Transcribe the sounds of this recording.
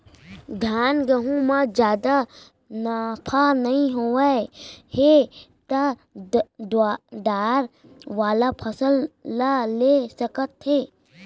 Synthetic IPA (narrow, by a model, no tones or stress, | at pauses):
d̪ʱjaːnɡəɦũmãd͡ʒjaːd̪a | napʰanəɦĩɦoaehet̪ə | d̪wad̪aːɾ | ʋaːlapʰəsəllalesəkət̪ɦeː